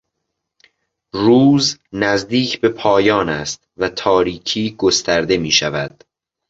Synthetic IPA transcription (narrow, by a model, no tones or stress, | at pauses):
ruːznæzd̪iːcʰbe̞pʰɒːjɒːnæst̪̚væt̪ʰɒːɾiːcʰiːɡo̞st̪ʰæɾd̪e̞miːʃævæd̪̥